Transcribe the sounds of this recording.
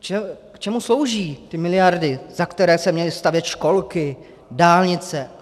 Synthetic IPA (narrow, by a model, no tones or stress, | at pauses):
t͡ʃɛkt͡ʃɛmuslo̞wʒiːt̪ɪmɪlɪjaɾdɪzakt̪ɛɾɛːsɛmɲɛlɪst̪avjɛt̪ʃko̞lkɪ | daːlɲɪt͡sɛ